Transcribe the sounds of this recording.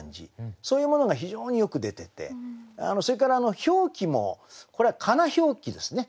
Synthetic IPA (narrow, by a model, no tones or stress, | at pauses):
ɲd͡ʑḭsoːjɯ̟ːmo̞no̞ɡaçiʑo̞ːɲ̟ijo̞kɯ̟d̪e̞t̪e̞t̪e̞̰a̰no̞so̞ɾe̞kaɾaːno̞ço̞ːkʲimo̞̰ko̞ɾe̞akʰanaço̞ːkʲid̪e̞sɨne̞